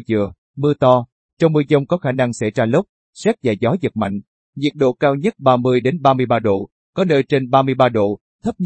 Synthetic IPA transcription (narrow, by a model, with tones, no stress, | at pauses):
zɨ̰˧˨ə | mɨ˧ət̪ɔ˧ | t͡ɕɔ˧wŋ͡mmɨ˧əzə˧wŋ͡mkɔ˨˦xaː˧˩na˧ŋsa̰˧˩jzaː˧lə˦˥k͡p̚ | sɛ˦˥t̚za̰ː˧˩jzɔ˨˦zə˨˩t̚ma̰˧˨jŋ̟ | ɲi˨˩ək̚ɗo̰˧˨kaː˧wɲə˦˥t̚ɓaː˧mɨ˧əjɗe˨˦nɓaː˧mɨ˧əjɓaː˧ɗo̰˧˨ | kɔ˨˦nəː˧jt͡ɕe˧nɓaː˧mɨ˧əjɓaː˧ɗo̰˧˨ | t̪ʰə˦˥p̚